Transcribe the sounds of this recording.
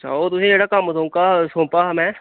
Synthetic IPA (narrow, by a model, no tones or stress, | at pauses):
t͡ʃʰa̰oːt̪ʊsẽeɽakaːmot̪õkasõːpaɦɐmɛ̃